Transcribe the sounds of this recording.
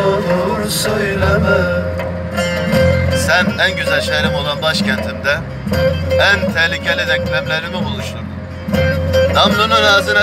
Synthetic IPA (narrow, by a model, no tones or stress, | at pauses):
olˠuɾsojlˠamɯ | sænænɟyzælʲʃejɾimo̞lˠanbaʃcʰænt̪ʰimd̪ɛ | ænt̪ʰɛhlʲicʰelʲid̪ɛclʲæmlʲeɾimɛbolˠuʃt̪un | d̪ʰamlʲonuɾaːzɯna